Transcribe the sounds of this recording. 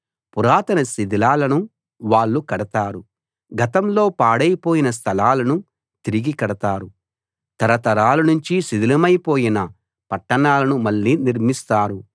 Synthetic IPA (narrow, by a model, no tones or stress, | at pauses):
puɾaːt̪ɐnɐsid̪ilaːlɐnu | ʋaːɭːukɐɽɐt̪aːɾu | ɡɐt̪ɐmlo̞ːpaːɽɐjpo̞ːjinɐs̬t̪ʰɐlaːlɐnu | t̪iɾiɡikɐɽɐt̪aːɾu | t̪ɐɾɐt̪ɐɾaːlɐnuɲt͡ʃisid̪ilɐmɐjpo̞ːjinɐ | pɐʈːɐɳaːlɐnumɐɭːiːniɾmist̪aːɾu